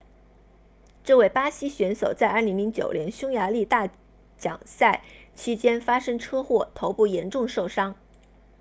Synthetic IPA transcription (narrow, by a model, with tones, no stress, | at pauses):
ʈ͡ʂɤ˥˧we˥˩ɪpa˥ɕi˥ɕɥɛ˧˥nso˨˩ʊt͡sa˥˧ɪɐ˞˥˩li˧˥ŋli˧˥ŋt͡ɕjo̰˨˩ʊljɛ˧˥nɕʊ˥ŋja˧˥li˥˧t̪a˥˩ | t͡ɕjɑ̰˨˩ŋsa˥˩ɪt͡ɕʰi˥t͡ɕjɛ˥nfa˥ʂɤ˥ŋʈ͡ʂʰɤ˥xwɔ˥˩t̪ʰo˧˥ʊpu˥˩jɛ˧˥nʈ͡ʂʊ˥˧ŋʂo˥˩ʊʂɑ˥ŋ